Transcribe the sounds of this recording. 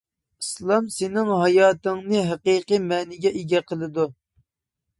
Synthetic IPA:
islˠɑmsɪnɪŋɦɑjɑːt̪ɨŋnɨɦɛqiːqɨmɛːnɪɡʲɛʔeɡʲɛqʰəlˠɨd̪u

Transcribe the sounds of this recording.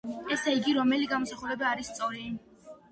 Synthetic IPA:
ɛsaiɡiɾɔmɛliɡamɔsaχuɾɛbaːɾisːt̪sʼɔɾi

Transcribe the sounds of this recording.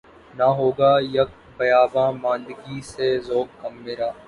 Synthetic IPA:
nɐɦoːɡaːjɐk̚ | bɐjaːbãːmãːnd̪ɡisezoːkkɐmːeɾaː

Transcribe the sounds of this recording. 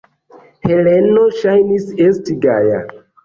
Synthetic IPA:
helenoʃajnisestiɡaja̰

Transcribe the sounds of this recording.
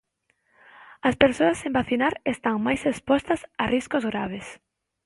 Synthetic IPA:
ɐspeɾsoɐsembaθinaɾest̪aŋmajsespɔst̪ɐsariskozɣɾaβ̞es

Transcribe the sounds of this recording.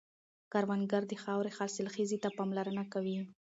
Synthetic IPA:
kaɾwanɡaɾd̪əxɑwɾexɑlsɪlxizit̪apɑmlaɾənakawi

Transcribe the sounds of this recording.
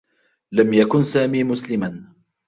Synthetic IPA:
lamjakʊnsaːmiːmʊslɪman

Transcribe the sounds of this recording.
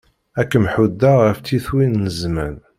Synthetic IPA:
ækːəmħud̪ːaʁəft͡s̪ːiθwinːəzmæ̰n

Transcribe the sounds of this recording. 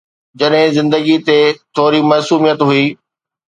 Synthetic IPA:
d͡ʑɐɗɦɪ̃zɪ̃nd̪əɡit̪et̪ʰoːɾimɐːsuːmijət̪ɦʊiː

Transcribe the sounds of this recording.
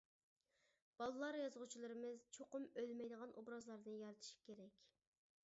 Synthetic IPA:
b̥ɑlˠɨlˠɑɾjɑzʁʊt͡ʃʰilˠɨɾɨmɨzt͡ʃʰoqʊmølmɛjd̪əʁɑnʔobɾɑzlˠɑɾnɨjɑɾɨt̪ʰɨ̥ʃi̥kʲeɾɛkʲ

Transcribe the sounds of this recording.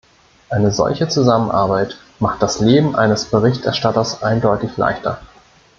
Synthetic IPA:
ʔaɪnəzɔ̰lçət͡suzamənʔa̰ɐbaɪt | maχt̚d̥asleːbm̩ʔa̰ɪnəsb̥əʁɪçtʔɛɐʃtatɐsʔaɪndɔʏtɪçla̰ɪçtɐ̰

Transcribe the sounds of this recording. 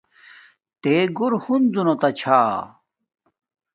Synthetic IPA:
t̪eːɡuɾhund͡zunot̪ɐt͡ɕʰaː

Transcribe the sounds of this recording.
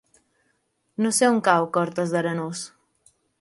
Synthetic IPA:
noseuŋkawkɔɾt̪əzðəɾənos

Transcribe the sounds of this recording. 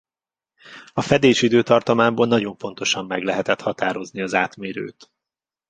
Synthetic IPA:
ɒfɛd̪eːʃid̪øːt̪ɒrt̪ɒmaːmboːlnɒɟo̞ɱpo̞n̪t̪o̞ʃɒmːɛɡlɛɦɛt̪ɛt̪hɒt̪aːɾo̞zniɒzaːt̪meːɾø̰ːt̪

